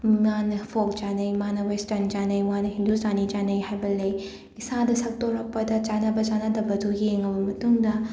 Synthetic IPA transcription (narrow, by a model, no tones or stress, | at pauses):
manɐpʰok̚t͡ʃanɐjmanɐwestɐɾnd͡ʒanɐjwanɐɦindustanid͡ʒanɐjhajbɐlɐj | isadɐsɐk̚toɾɐk̚pɐdɐt͡ʃanɐbɐt͡ʃanɐdɐbɐdujeŋɐbɐmɐtuŋdɐ